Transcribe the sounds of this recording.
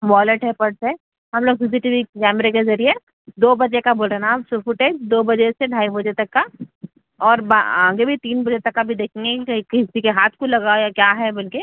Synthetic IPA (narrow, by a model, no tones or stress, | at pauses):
ʋɔːləʈɦɛpɐɽsɛ | ɦɐmloːɡ̚pɪziʈiʋikɛːmɾek̬ezɐɾie | d̪oːbɐekaboːlɾeɦnaːbsufʊʈeːd͡ʒd̪oːbɐd͡ʒeseɖʱaːibɐd͡ʒet̪ɐkːa | ɔːɾba̰ãːɡebʱit̪iːnbɐd͡ʒet̪ɐkːabʱid̪eːkʰẽŋɡekɪsikeɦaːt̪ʰkolɐɡajakjaːɦɛbɐlke